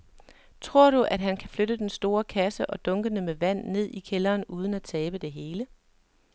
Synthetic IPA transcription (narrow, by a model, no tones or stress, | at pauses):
t͡sʰʁo̝ɐ̰ɾ̥uʔæd̥ɦænkʰæfløɾ̥əd̥ensd̥o̝ːɐkʰæsəʔɒ̽d̥ɔ̽ŋɡ̥ənəmeʋæn̰ːe̝ð̞̰ˠikʰelɐːnuːð̞ˠn̩æt͡sʰɛːb̥əd̥e̝ɦe̝ːlə